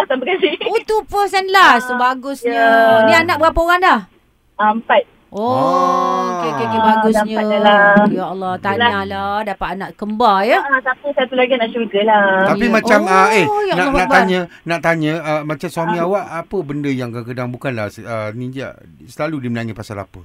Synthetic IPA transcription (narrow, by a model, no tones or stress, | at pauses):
asambəɡasiut̪upəs̬ɛnlasbaɡʊsjənianãʔbəapəoɾaŋlah | ampat̪̚ | ʔo | ekenibaɡʊsɲəalajaʔəlˠːɔht̪aɲaladapat̪anaʔkəmbajəat̪apisat̪ulaɡinaʔʃuɡəlat̪apimãt͡ʃaməejanãnaʔb̪aɲɲə̃nãʔt̪aɲə̃əmãt͡ʃamswamĩawaʔapəbəndəjaŋkakədaŋbukanlahsənĩd͡ʒa̰ʔ | səlaludimənaɲipasala̰pə